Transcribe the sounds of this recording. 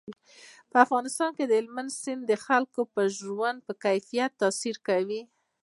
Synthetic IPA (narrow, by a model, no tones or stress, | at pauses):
pəafɣɑnɪst̪ɑnked̪əɪlmansɪnd̪d̪əxalkopəʒwand̪̚pəkajfijat̪ːɑsiɾkawi